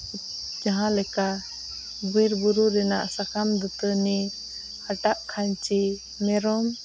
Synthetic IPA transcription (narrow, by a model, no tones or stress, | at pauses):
d͡ʒaɦãlɛka | biɾbuɾuɾɛnaʔsakʰamd̪ut̪əni | haʈaʔkʰaɲt͡ʃi | mɛɾɔm